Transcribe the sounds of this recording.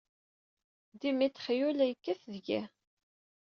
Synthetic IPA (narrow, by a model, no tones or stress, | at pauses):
d̪imit̪ːχjulæjəkːæθðʝæ